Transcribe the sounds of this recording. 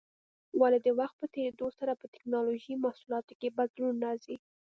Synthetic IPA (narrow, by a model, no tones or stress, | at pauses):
waled̪əwaxt̪̚pət̪eɾed̪osaɾapət̪ɪ̥knɑloʒimahsulɑt̪okebad̪lunɾɑzi